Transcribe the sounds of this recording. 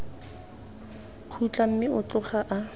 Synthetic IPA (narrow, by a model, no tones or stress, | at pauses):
q͡χʰut͡ɬʼam̩mɪʊt͡ɬʊχaʔa